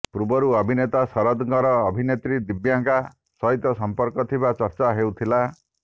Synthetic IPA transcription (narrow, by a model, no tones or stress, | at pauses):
pɾubɔɾuɔbʱinet̪asɔɾɔd̪ɡɔɾɔːbʱinet̪ɾid̪ibjaŋka | sɔɦit̪ɔsɔmpɔɾkɔt̪ʰibat͡ʃɔɾt͡ʃaɦeut̪ʰila